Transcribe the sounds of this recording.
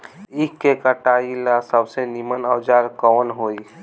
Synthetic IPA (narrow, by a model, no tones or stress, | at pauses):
ɪkːekəʈaːilasəbsenimənəd͡ʒaːɾkɔːnɦoːi